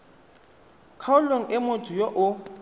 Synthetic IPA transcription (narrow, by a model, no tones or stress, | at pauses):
kʰaʊloŋ̩ʔɪmotʼʊjoʔʊ